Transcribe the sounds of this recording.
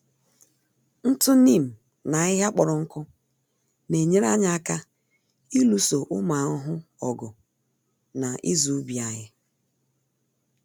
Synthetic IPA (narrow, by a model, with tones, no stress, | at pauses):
n̩˦tʊ˦ni˦˨m̩˨ | na˨˦ɪ˦ɦa˦k͡pɔ˨ɾɔ˨ŋ̩˦kʊ˦ | ne˨ɲe˦ɾa˦ɲa˦a˦ka˦ | i˦lu˦so˨ʔʊ˦ma˨˦ʊ˦ɦʊ˦ɔ˨ɡʊ˨ | na˨ʔɪ˦zu˦bi˨a˨ɲɪ˦